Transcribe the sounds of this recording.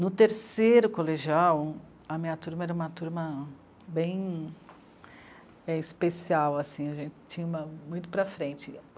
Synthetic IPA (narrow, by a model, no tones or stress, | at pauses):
nʊt̪eɾseɾʊkoleʒiaw | ɐmĩɲɐt̪uɾmɐɛɾɐũmɐt̪uɾmɐ | bẽj̃ | ɛispesiawasĩɐʒẽnt͡ʃɪ̥t͡ʃĩɲɐũmɐmũj̃t̪ʊ̥pɾɐfɾẽt͡ʃɪ